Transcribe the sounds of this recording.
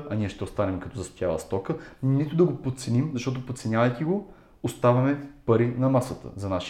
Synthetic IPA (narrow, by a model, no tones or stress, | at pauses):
ɐniɛʃt̪ɛost̪anɛmɛkɐt̪ɔzɐspjalˠə̰st̪ɔkənit̪ʊd̪ɐɡopot̪sɛnimzɐʃt̪ɔt̪̬opot̪sɛnʲavɐjk̪iɡo | ost̪avɐmɛpɐɾinɐmasət̪ə̰zɐnaʃ